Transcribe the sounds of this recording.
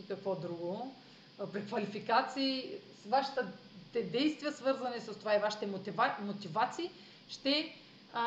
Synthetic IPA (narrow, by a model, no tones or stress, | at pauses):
kɐkvɔd̪ɾuɡo | pɾikvɐlifikat̪siː | vaʃi̥t̪ə | t̪ɛd̪ɛjst̪viəsvɤɾzɐnɛsəst̪ovaivaʃi̥t̪ɛmot̪vamot̪ivat̪siː | ʃt̪ɛ